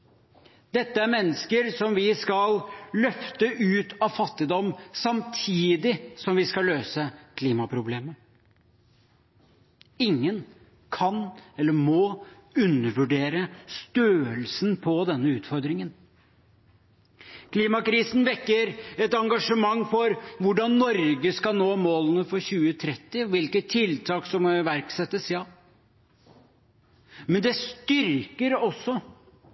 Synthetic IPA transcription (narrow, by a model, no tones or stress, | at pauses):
d̪̥ɛt̪ːəæɾmɛnːəskəɾsɔmʋɪskɑllœft̪əʔʉːt̪ʰɑʋfɑt̪ːɪd̪ɔmːsɑmt̪ʰiːd̪ɪsɔmʋɪskɑløːsəkʰliːmɑpʰɾʊbleːmə | ɪŋːən | kʰɑnɛlːəɾmɔʉnːəʋʉɖeːɾəst̪øːəlsn̩pʰɔd̪ɛnːəʉːt̪fɔɾd̪ɾɪŋən | kʰliːmɑkɾiːsn̩ʋɛkːəɾɛt̪ɑŋɡɑʂəmɑŋːfɔɾʋʊɖɑnːɔɾɡəskɑlnoːmoːlənəfɔɾɕʉːət̪ʰɾɛt̪ːɪɔʋɪlkət̪ʰɪlt̪ʰɑːksɔmʋæɾksɛt̪ːəsjɑ | mɛnd̪ɛst̪ʏɾkəɾɔsːɔ